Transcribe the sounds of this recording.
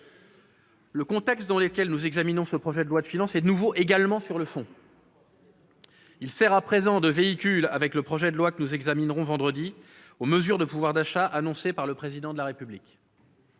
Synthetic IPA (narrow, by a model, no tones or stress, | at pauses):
ləkɔ̃t̪ɛkst̪̚d̪ɑ̃ləkʲɛlnuzɛɡzaminɔ̃səpχɔʒɛd̪əlwad̪əfinɑ̃sɛd̪ənuvoʔeɡalmɑ̃syʁləfɔ̃ | ilsɛʁapχezɑ̃d̪əveikʲylavɛkləpχɔʒɛd̪əlwakənuzɛɡzaminʁɔ̃vɑ̃d̪ʁəd̪i | oməzyʁd̪əpuvwaʁd̪aʃaʔanɔ̃sepaʁləpχezid̪ɑ̃d̪əlaʁepyblikʲ